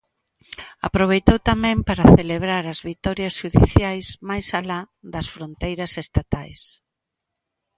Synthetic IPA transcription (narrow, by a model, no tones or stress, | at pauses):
a̰pɾoβ̞ejt̪owt̪amɛ̃mpaɾɐθeleβɾaɾɐzβit̪ɔɾjɐsʃuðḭθjajsmajsala | d̪ɐsfɾont̪ejɾɐsest̪at̪ajs